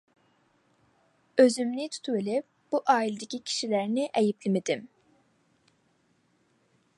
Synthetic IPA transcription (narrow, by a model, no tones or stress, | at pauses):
øzymnit̪ʰu̥t̪ʰubelʲɪp̚ | b̥uʔɑːilʲed̪ecʲʰicʲʰi̥ʃilæɾnɪʔɛjiplimed̪ɪm